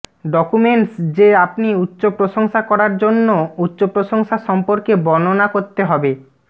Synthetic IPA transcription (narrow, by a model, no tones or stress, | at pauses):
ɖɔkumeɳʈsd͡ʑeapniutːɕopɾoʃoŋʃakɔɾaɾd͡ʑonːoutːɕopɾoʃoŋʃaʃɔmpoɾkebɔnonakoɾt̪eɦɔbe